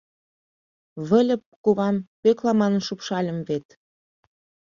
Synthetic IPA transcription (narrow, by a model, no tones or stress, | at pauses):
βə̆lʲə̆pkuβɑmpøklɑmɑnənʃupʃɑlʲə̆mvet̪